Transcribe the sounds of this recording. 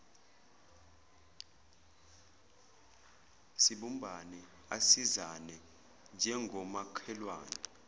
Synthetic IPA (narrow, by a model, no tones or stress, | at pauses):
siɓumbʱanɛ | a̰sizanɛ | nd͡ʒʱɛŋɡʱɔmakʰɛlwaːnɔ